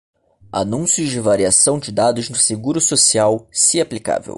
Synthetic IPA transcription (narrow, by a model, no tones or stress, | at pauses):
a̰nũsjʊzd͡ʒɪvaɾiasɐ̃w̃d͡ʒɪd̪ad̪ʊznʊseɡuɾʊsosiawsiaplika̰vḛw